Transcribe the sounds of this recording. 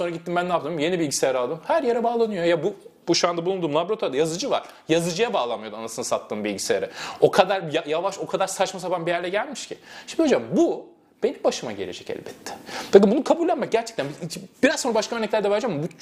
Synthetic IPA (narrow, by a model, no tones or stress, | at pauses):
sonɾaɟit̪ːimbænlaːp̚t̪ɯːmje̞nibilʲɟisejaɾalˠd̪ɯmhæɾjeɾɛbaːlˠanɯjojabubuʃuand̪ablˠund̪uːmlˠabɾo̞t̪ʰoɾad̪ajazɯd͡ʒɯva̰ɾ̥ | jazɯd͡ʒɯjabaːlˠanmɯjo̞d̪uanasɯnɯsat̪ʰːɯːmbilʲɟiseja̰ɾɛo̞kʰad̪aɾjajavaʃo̞kʰad̪aɾsat͡ʃmasabanbijæɾlʲɛɟælʲmiʃcʰiʃimd̪iod͡ʒambu | b̥enimbaʃɯma̰ɟe̞lʲed͡ʒɛcɛ̰lʲbɛt̪ʰːɪ̥pʰakɯmbunukʰabulʲːˠanmac̚ɟʲæɾt͡ʃʰɛ̥c̚t̪ænbib̥iɾazonɾabaʃkaø̞ɾnɛclʲæɾd̪ɛβaɾd͡ʒambu